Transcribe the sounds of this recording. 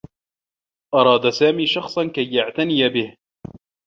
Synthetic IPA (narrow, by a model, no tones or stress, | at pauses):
ʔɑɾˤɑːd̪asaːmiːʃɑxsˤɑnkajːaʕt̪anɪjabɪh